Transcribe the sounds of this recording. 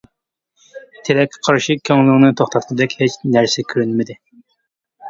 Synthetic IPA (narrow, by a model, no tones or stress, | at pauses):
t̪ʰeɾɛkʲʰqʰɑɾʃikʲʰːøŋlˠɪŋnɨt̪ʰoχt̪ʰɑt̪q̪ʰəd̪ɛkʲhet͡ʃnæɾsɛkʲʰyɾynmɪd̪ɪ